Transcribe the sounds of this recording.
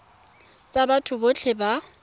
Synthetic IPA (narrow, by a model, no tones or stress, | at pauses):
t͡sʼabatʰʊbot͡ɬʰeba